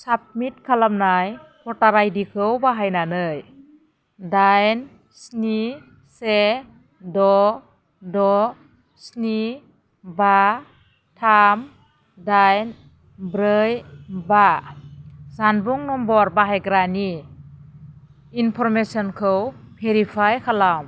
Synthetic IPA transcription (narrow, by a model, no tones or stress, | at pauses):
sap̚mit̚kʰalamnajpʰɔtaɾajdikʰɯwbaɦajnanɯj | dajn | sni | se | dɔ | dɔ | sni | ba | tʰam | dajn | bɾɯjba | zanbuŋnɔmbɔɾbaɦajɡɾani | inpʰɔɾmesɔnkʰɯwpʰeɾipʰajkʰalam